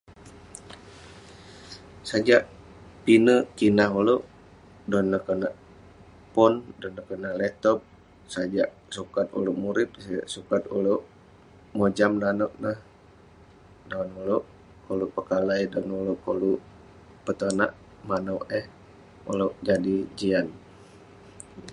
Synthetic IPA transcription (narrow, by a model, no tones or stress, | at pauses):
sad͡ʒaʔ | pinəʔkinaɦuloʔ | dɔnːəkənaʔ | pɔndɔnːəkənaʔlɛt̪ɔp̚ | sad͡ʒaʔ | sukat̪̚ṵloʔmuɾɪp̚sad͡ʒa̰ʔsukat̪ṵloʔ | mod͡ʒamdanɔʔnəh | dɔnuloʔ | koluʔpəkalajdɔnuloʔkoluʔ | pət̪əna̰ʔ | manəwɛh | ṵloʔd͡ʒadid͡ʒian